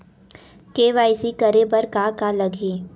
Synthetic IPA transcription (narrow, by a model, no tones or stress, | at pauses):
keːʋaːɪsikɐɾebɐɾkakalɐɡʱiː